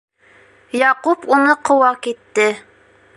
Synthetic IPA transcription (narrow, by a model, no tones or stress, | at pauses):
jɑqupunɨqʰowɑkʲet̪ːɪ